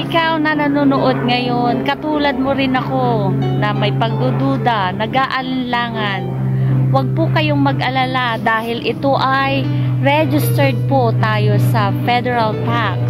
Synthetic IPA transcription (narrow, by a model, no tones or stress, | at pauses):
ʔɪkawnɐnɐnunoʔod̪̚ŋɐjonkɐt̪uːlɐd̪̚moɾɪnɐkonɐmɐjpɐɡ̚d̪ud̪uːd̪ɐnɐɡaːʔɐlɪnlaːŋɐn | wɐɡ̚pʊkɐjoŋmɐɡʔɐlalad̪aːhɪlʔɪt̪o̞ʔajɹɛd͡ʒɪst̪ɛɹd̪̚pot̪aːjo̞sɐfɛd̪ɛɹɐlt̪ak